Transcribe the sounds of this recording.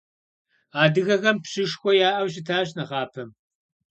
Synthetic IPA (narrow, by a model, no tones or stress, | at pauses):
aːdɨɣɐɣɐmpɕɪʂxʷɔjaːʔɐwɕ̬ɪtʰaːɕnɐʁɑːpʰɐm